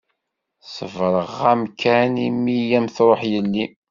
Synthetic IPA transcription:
səvɾˤəʁæmkʰænimijæmθɾˤoħjəlːi

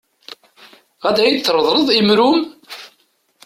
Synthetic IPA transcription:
ʁæd̪æjid̪θːɾˤəðˤɾˤəðˤimɾum

